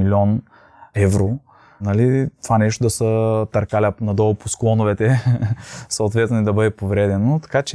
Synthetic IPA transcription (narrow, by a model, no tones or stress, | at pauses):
ilʲiɔn | ɛvɾo | nɐlit̪ovanɛʃ̬t̪od̪ɐsət̪ɐɾkalʲanɐd̪ɔloposklˠɔnovɛt̪ɛ | səot̪vɛt̪nid̪ɐbɤd̪ɛpovɾɛd̪ɛnot̪ɐ̥kat͡ʃɛ